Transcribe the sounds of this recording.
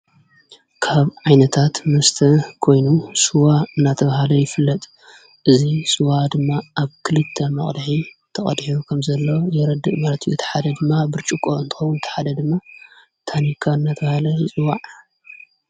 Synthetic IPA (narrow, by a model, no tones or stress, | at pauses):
kʰaβʕajnɐt̪ʰat̪mɐst̪ʰɐkʰo̞jnusuwaɨnːat̪ʰɐβahalɐjɪfɨlːɐt̪ʼ | ʔɨzisuwad̪ɨmːaʔaβkʰɨlɨt̪ʰːɐnːɨ̰χʼd̪ħit̪ʰɐχʼɐ̰d̪ħijukʰɐmzɐlːo̞jɛɾɐd̪ːɨʔmaɾɐt̪ʰʼiʔut̪ʰɐ̥ħad̪ɐd̪ɨmːabɨɾt͡ʃʼukʼoɨnt̪ɨ̥xowːunt̪ʰɐ̥ħad̪ɐd̪ɨmːa | t̪ʰanikʰaɨnːat̪ʰɐβahalɐjɨt͡sʼɨwaʕ